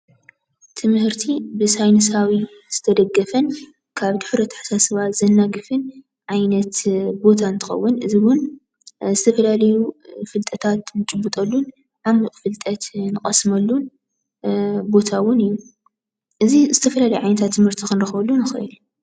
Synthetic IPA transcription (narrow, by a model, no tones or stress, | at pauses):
t̪ʰɨmhɨɾt̪ʰibɨsajnɨs̬awi | z̥ɨt̪ʰɐd̪ɐɡːɐfɐn | kʰaβd̪ɨħɾɐt̪ʰɐ̥ħḁsasɐβat̪zɐnːaɡɨfɨn | ʕajnɐt̪bo̞t̪ʰant̪ʰɨ̥xɐ̰wːʊnɨziwʊn | zɨt̪ʰɐfɐlalɐjufɨlt̪ʼɐt̪ʰat̪nɨt͡ʃʼɨbːɨt̪ʼɐlːun | ʕamfɨlt̪ʼɐt̪nɨkʼɐsmɐlːun | bo̞t̪ʰawʊnɨjːu | ʔɨzizɨt̪ʰɐfɐlalɐjuʕajnɐt̪ʰat̪ːɨmhɨɾt̪ʰikɨnɾɐxβɐlːunɨxɐ̰ʔid̪